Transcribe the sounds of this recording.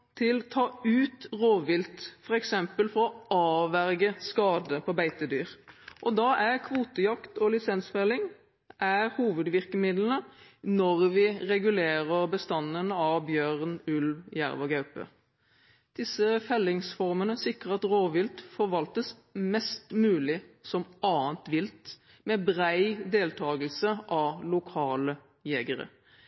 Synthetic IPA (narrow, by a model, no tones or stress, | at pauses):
t̪ʰɪlt̪ʰɑːʉːt̪ʁoːʋɪlt̪fɔʁɛksɛmpəlfɔʁɔɑːʋæʁɡəskɑːd̪əpʰɔbæɪt̪əd̪yːʁʔɔd̪ɑʔæʁkʰʋuːt̪əjɑkt̪ɔlɪsɛnsfɛlɪŋ | ʔæɾhuːʋəd̪ʋɪʁkəmɪd̪lən̩ənɔʁʋɪʁɛɡʉleːʁəʁbəst̪ɑnənəɑʋbjøːʁnʉlʋjæ̰ʁʋɑɡɑʉpə̰ | d̪̥ɪsəfɛlːɪŋsfɔʁmənəsɪkʁəɑt̪ʁoːʋɪlt̪fɔʋɑlt̪əs | mɛst̪mʉːlɪsɔmɑːənt̪ʋɪlt̪ | mɛbʁæɪd̪eːlt̪ʰɑːɡəlsəʔɑlʊkʰɑːlə | jɛɡəʁə̰